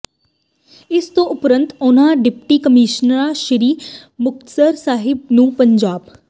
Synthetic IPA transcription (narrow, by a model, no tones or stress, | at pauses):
ɪst̪õʔʊpɾə̃nt̪ʊnãːɖɪpʈiːkəmiːʃnəɾaːʃɪɾiːmʊk̚t̪səɾsaːɦɪb̚nũːpəɲd͡ʒaːb